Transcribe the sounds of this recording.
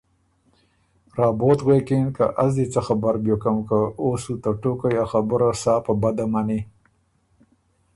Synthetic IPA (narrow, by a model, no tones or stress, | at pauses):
ɾɑːbot̪ɣwekenka̰ʔazd̪it͡saxabaɾbjokamkaosut̪aʈokajɑːxabʊɾasɑːpabad̪amani